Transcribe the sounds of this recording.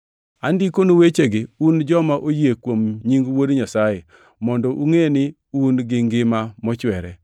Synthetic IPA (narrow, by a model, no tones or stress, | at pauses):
andikonowet͡ʃeɡɪund͡ʒɔmaʔojekwomɲiŋɡwodɲasaje | mɔndɔʔuŋenɪ | unɡɪŋɡɪmamɔt͡ʃwɛɾɛ̰